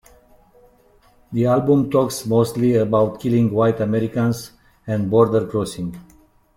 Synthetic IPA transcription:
d̪ialbũmtɔksmoːstliəbaʊtkʰilĩŋɡwaɪtəmɛɾikãns | ɛ̃nɖbɔɾd̪əɾkɾosĩŋɡ

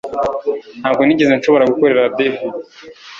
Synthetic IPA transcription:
n̥haːbɡoniɟezenʃoβo̞ɾaɡukoɾe̞ɾadefi

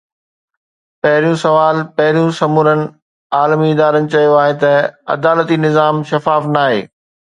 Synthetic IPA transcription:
pɐɦɪɾijũsɐʋaːlpɐɦɪɾijũsɐmuːɾənɪ̆ | aːlmiɪd̪aːɾənɪ̆t͡ɕɐjoaːɦet̪ɐɐ̰d̪aːlət̪inɪzaːmʃɐfaːfnaːɦḛː

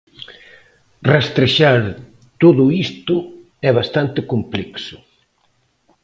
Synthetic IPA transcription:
rest̪ɾeʃaɾ | t̪oðʊist̪ʊ | ɛβast̪ant̪ɪkomplɛksʊ̥

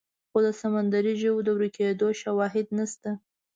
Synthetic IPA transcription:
xod̪əsamand̪aɾiʒəwd̪əwɾiked̪oʃawɑɦɪd̪̚nast̪a

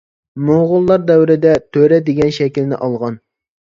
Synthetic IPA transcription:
moʁʊlˠːɑɾd̪ɛwɾɪd̪ɛt̪ʰøɾɛd̪ɪɡʲɛnʃɛkʲilnɪ̰ʔɑlˠʁɑn

